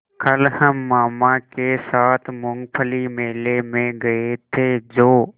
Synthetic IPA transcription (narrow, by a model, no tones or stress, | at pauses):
kʰəlhəmːaːmãkeːsaːt̪ʰmʊŋɡpʰəlimeːlemẽɡɐet̪ʰeːd͡ʒoː